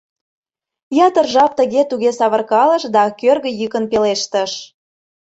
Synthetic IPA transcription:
jɑt̪ərʒɑp̚t̪ə̆ɣet̪uɣesɑβə̆rkɑlə̆ʃd̪ɑkørɣə̆jykə̆npeleʃt̪ə̆ʃ

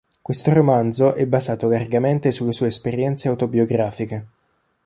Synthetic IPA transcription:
kwest̪oɾomand̪zoʔɛbːazaːt̪olarɡament̪esulːesuːeːspeɾjɛnt̪seawt̪obioɡɾaːfike

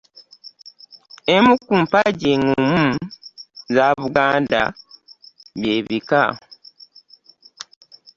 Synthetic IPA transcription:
emukumpaɟeŋumu | zaβuɡaːnda̰ | βjeːβika

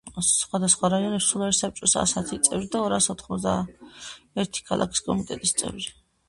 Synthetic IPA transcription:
χwad̪asχwaɾaiɔnɛpsulˠaɾisap̚t͡ʃʼɔsa̰sat̪ʰit̪sʼɛvɾid̪aɔɾasɔt̪ʰχmɔzd̪a | ɛɾt̪ʰi̥kʰa̰lˠʔa̰kʰi̥skʼɔmit̪ʼɛt̪ʼist̪sʼɛ̰vɾi

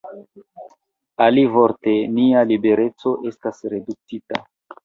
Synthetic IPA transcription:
alivo̞ɾte̞nialibe̞ɾe̞t͡so̞ʔe̞stasɾe̞duk̚t͡sita̰

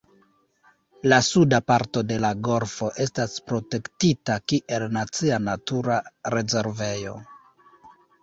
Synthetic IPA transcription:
lasudapaɾto̞de̞laɡo̞ɾfo̞ʔe̞staspɾo̞te̞ktitakiʔe̞lnat͡sianatuɾaɾe̞ze̞ɾve̞jo̞̰

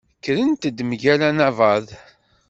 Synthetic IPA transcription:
kːɾənt̪əd̪mʝælænævɑð

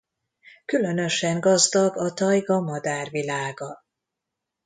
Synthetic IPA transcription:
kylø̞nø̞ʃɛŋɡɒzd̪ɒɡɒt̪ɒjɡɒmɒd̪aːrvilaːɡɒ

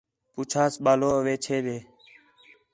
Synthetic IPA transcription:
puːt͡ʃʰaːsɓaːloːəʋeːt͡ʃʰeːɗ̪eː

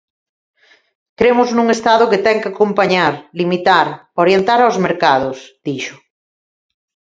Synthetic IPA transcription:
kɾemʊznũŋest̪aðʊket̪ɛŋkakompaɲaɾlimit̪aɾoɾjent̪aɾawzmeɾkaðʊsð̥iʃʊ̥

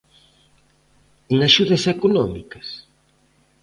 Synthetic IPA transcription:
eŋaʃuðɐsekonɔmḭkɐs

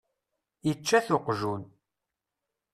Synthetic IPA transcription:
jət͡ʃːæθʊqʒun

